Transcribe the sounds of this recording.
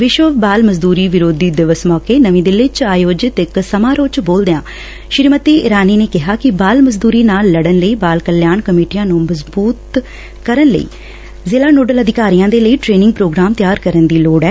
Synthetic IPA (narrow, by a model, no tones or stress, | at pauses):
ʋɪʃʋəbaːlməzd̪uːɾiːʋɪɾoːd̪iːd̪ɪʋəsmɔːkeːnəʋĩːd̪ɪlɪt͡ʃaːjoːd͡ʒɪt̪ɪksəmaːɾoːt͡ʃboːld̪eãː | ʃɪɾmət̪iːɪɾaːniːneːkɪɦaːkɪbaːlməzd̪uːɾiːnaːlːəɽənləiːbaːlkəljaːɳkəmeːʈijãːnũːməzbuːt̪ | kəɾənlə̰ḭː | zeːlaːnoːɖələd̪ʱɪkaːɾijãːd̪eːləiːʈɾeːnɪ̃ŋɡ̚pɾoːɡɾaːmt̪ɪjaːɾkəɾənd̪iːloːɽɛː